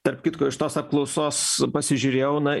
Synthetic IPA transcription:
t̪ɐrpkʲɪt̪koːɪʃt̪oːsɐp̚klˠɐʊsoːspɐsʲɪʒʲʊɾʲeːjɛʊnɐ

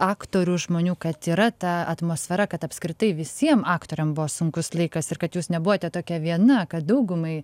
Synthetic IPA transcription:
ɑːktt̪oːɾʲuːʒmoːnʲuːkɐt̪iːɾɐt̪ɐɐt̪moːsʲfʲɛɾɐkɐt̪ɐpskɾʲɪt̪ɐɪʋʲɪsʲiɛmɑːkt̪oːɾʲɛmbʊʋoːsʊŋkʊslˠɐɪkɐsɪrkɐt̪juːsnʲɛbʊʋoːt̪ʲɛt̪oːkʲɛʋʲiɛnɐkɐt̪̚d̪ɐʊɡʊmɐɪ

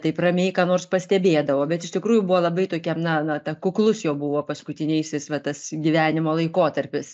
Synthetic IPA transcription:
t̪ɐɪprɐmʲeːɪkɑːnoːrspɐsʲt̪ʲɛbʲeːd̪ɐʋoːbʲɛt̪ɪʃtʲɪkɾuːjʊbʊʋoːlˠɐbɐɪt̪oːkʲɛmnɐnɐt̪ɐkʊklˠʊsjɛːbʊʋoːpɐskʊt̪ʲɪnʲɛɪsʲɪsʋɐt̪ɐsɡʲiʋʲæːnʲɪmoːlˠɐɪkoːt̪ɐɾʲpʲɪs

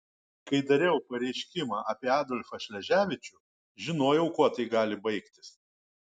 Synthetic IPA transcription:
kɐɪd̪ɐɾʲɛʊpɐɾʲɛɪʃʲkʲɪmɑːʔɐpʲiɛɑːd̪oːlʲfɐʃʲlʲɛʒʲæːʋʲɪt͡ʃʲʊ | ʒʲɪnoːjɛʊkuɔt̪ɐɪɡɑːlʲɪbɐɪkt̪ʲɪ̥s

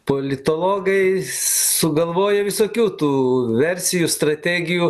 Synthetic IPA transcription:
poːlʲɪt̪oːlˠoːɡɐɪsʊɡɐlˠʋoːjɛʋʲɪsoːkʲuːt̪uːʋʲɛɾʲsʲɪjuːst̪ɾɐt̪ʲæːɡʲɪjuː

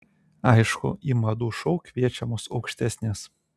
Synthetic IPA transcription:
ɑjʃkʊ̰ʔimɐd̪uʃoʊkʲʋʲiɛt͡ʃʲɛmosɐʊkʃʲt̪ʲæsʲnʲes

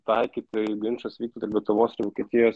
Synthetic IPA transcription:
t̪ɑɪkʲiːt̪ʲɪɡʲɪnʲʃɐsʋʲiːkt̪ʲot̪ʲɪɾʋʲɛt̪ʊʋoːsɪɾʋoːkʲiɛt̪ʲɪjoːs

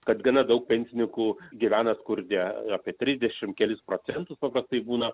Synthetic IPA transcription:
kɐt̪ɡɐnɐd̪ɐʊk̚pʲɛnʲsʲɪnʲɪŋkuːɡʲɪʋʲæːnɐskʊɾʲd̪ʲɛɑpʲiɛt̪ʲɾʲɪzʲd̪ʲɛʃʲɪmkʲɛlʲɪspɾoːsʲɛnt̪ʊspɐpɾɐst̪ɐɪbuːnɐ

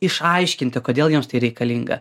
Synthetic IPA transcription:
ɪʃɐɪʃʲkʲɪnʲt̪ʲɪkoːd̪ʲeːlˠjumst̪ɐɪɾʲɛɪkɐlʲiŋɡɐ̰

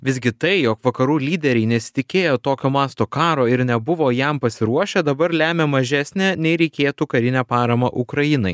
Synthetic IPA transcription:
ʋʲɪzʲɡʲɪt̪ɐɪjoːkʋɐkɐɾuːlʲiːd̪ʲɛɾʲɛɪnʲɛsʲɪ̥t̪ʲɪkʲeːjoːt̪oːkʲoːmɑːst̪oːkɑːɾoːɪɾnʲɛbʊʋoːjɛmpɐsʲɪɾuɔʃʲɛd̪ɐbɐɾlʲæːmʲeːmɐʒʲæːsʲnʲæːnʲɛɪɾʲɛɪkʲeːt̪uːkɐɾʲɪnʲæːpɑːɾɐmɐʔʊkɾɐjɪnɐɪ

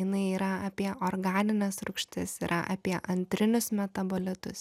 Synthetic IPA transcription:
jɪnɐɪiːɾɐɐpʲiɛʔoɾɡɑːnʲɪnʲɛsɾʊkʃʲt̪ʲɪsiɾʔɐ̰ʔɐ̰pʲiɛʔɐnʲt̪ʲɾʲɪnʲʊsmʲɛt̪ɐboːlʲɪt̪ʊs

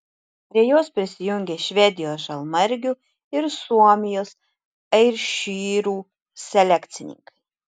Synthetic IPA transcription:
pʲɾʲiɛjuɔspʲɾʲɪsʲɪjuŋʲɡʲɛʃʲvʲɛd̪ʲɪjoːʒɐlˠmɐɾʲɡʲu | ɪɾsuɔmʲɪjos | ɛɾʃʲiːɾuː | sʲɛlʲækt̪sʲɪnʲḭŋkɐj

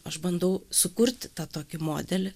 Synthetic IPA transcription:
ɐʃbɐnd̪ɐʊsʊkʊrʲt̪ʲt̪ɑːt̪oːkʲɪmo̰ːd̪ʲɛlʲɪ

